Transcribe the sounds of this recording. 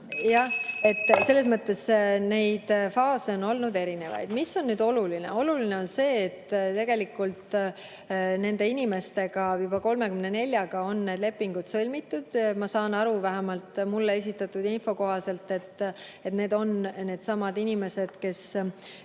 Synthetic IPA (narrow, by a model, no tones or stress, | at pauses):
jɑe̞t̪ːˑse̞lːe̞smɤt̪ːˑe̞sne̞jd̪̥fɑːse̞o̞no̞lnud̪e̞ɾine̞vɑ̰jd̪̥misːo̞nːyːd̪̥o̞luline̞̰o̞luline̞o̞nse̞ːt̪ːt̪e̞ɡ̥e̞likult̪ | ne̞nd̪e̞inʲime̞st̪e̞ɡ̥ɑjubɑko̞lme̞kymne̞ne̞lʲjɑɡ̥ɑo̞nːe̞ːd̪le̞pːiŋɡ̥ud̪̥sɤlʲmit̪ːˑud̪̥mɑsɑːnɑɾuvæɦæmɑlt̪mulːee̞s̬ʲit̪ːˑɑt̪ːˑud̪info̞ko̞ɦɑse̞lt̪ːe̞t̪ːe̞t̪ne̞ːd̪o̞nne̞ːd̪̥sɑmɑd̪inime̞se̞d̪̥ke̞s